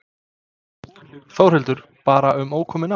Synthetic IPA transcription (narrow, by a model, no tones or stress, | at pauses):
θaːwr̥hɛlt̪ʏɾ̥ | paːɾaʏmoːwkʰɔːmɪna